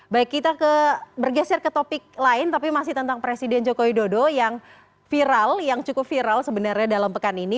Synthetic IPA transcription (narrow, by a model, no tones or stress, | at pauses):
baɪkːit̪akəbərɡasɛrkət̪opɪk̚laɪnt̪apimas̬ɪht̪ənt̪aŋpɾesidɛnd͡ʒokowidodojaŋ | fiɾaljaŋt͡ʃukʊp̚fiɾalsəbənarɲadalampəkanini